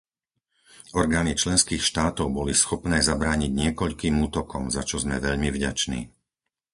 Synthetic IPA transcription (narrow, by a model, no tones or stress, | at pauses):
ɔɾɡaːnit͡ʃlɛnskiːxʃt̪aːt̪ɔʊbɔlisxɔpnɛːzabɾaːɲiɟɲɪɛkɔʎkiːmuːt̪ɔkɔmzat͡ʃɔzmɛʋɛʎmivɟat͡ʃnḭː